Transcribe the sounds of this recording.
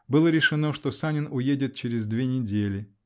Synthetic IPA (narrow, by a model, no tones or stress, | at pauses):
bɨlˠəɾʲɪʂɨno̞ʂt̪osanʲɪnʊjedʲɪt̪̚t͡ɕɪɾʲɪzd̪vʲenʲɪdʲelʲɪ